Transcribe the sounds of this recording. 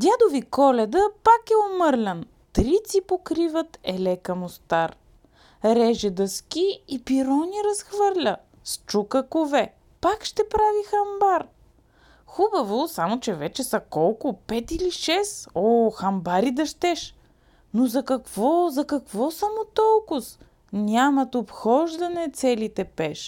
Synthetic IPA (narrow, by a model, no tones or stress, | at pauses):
d̪ʲjad̪ovikɔlɛd̪əpakɛomɤɾlʲɐn | t̪ɾit̪sipokɾivət̪ɛlɛkəmost̪aɾ | ɾɛʒɛd̪ɐskʲiːpiɾɔniɾɐsxvɤɾlʲə | st͡ʃukəkovɛ | pakʃt̪ɛpɾavixɐmbaɾ | xubɐvosamot͡ʃɛvɛt͡ʃɛsɐkɔlˠkʊpɛt̪iliʃɛsɔxɐmbaɾid̪ɐʃt̪ɛʃ | nozɐkɐkvɔzɐkɐkvɔsɐmot̪ɔlˠkʊs | nʲamɐt̪opxɔʒd̪ɐnɛt̪sɛlit̪ɛpɛʃ